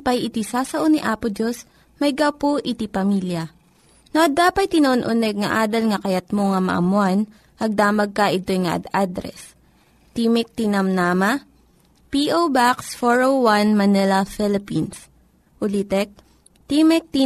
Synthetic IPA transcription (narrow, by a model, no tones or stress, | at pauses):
pɐjɪt̪isaːsɐʔoniʔaːpʊd͡ʒos | mɐjɡɐwpoʔɪt̪ipɐmiːljɐ | noʔɐd̪aːpɐjt̪ɪnɐoʔonʔʊnɛɡ̚ŋɐʔaːd̪ɐlŋɐkɐjɐt̪̚moŋɐmɐ̰ʔɐ̰mʊan | ʔɐɡ̚d̪aːmɐɡ̚kɐʔɪt̪ojŋɐʔɐ̰d̪ad̪ɾɛ̰s | t̪imɛk̚t̪inɐmnaːmɐ | piʔowbaksfoɹowwanmɐnɛlɐfɛlɪpins | ʔʊlit̪ɛk̚ | t̪imɛk̚t̪i